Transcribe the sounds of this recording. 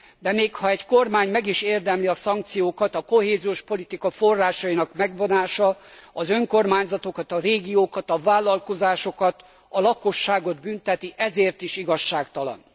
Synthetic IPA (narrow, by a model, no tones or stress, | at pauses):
d̪ɛmeːkhɒɛɟkormaːɲmɛɡiʃeːrd̪ɛmliɒsɒŋk̚t̪sijoːkɒt̪ɒko̞ɦeːzioʃpo̞lit̪ikɒfo̞rːaːʃɒinɒkmɛɡbo̞naːʃɒɒzø̞ŋko̞rmaːɲzɒt̪o̞kɒt̪ɒreːɡijoːkɒt̪ɒvaːlɒlko̞zaːʃo̞kɒt̪ | ɒlɒko̞ʃːaːɡo̞d̪bynt̪ɛt̪iʔɛzeːrt̪iʃiɡɒʃːaːkt̪ɒlɒ̰n